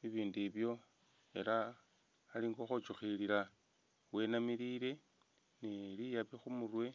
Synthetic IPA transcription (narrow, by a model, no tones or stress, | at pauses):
βiβiːndiβjo̞ | e̞̰la | aliːŋɡoxot͡ʃuxiliɾa | we̞namiɾiɾe̞ | neɾijaβixumurwe̞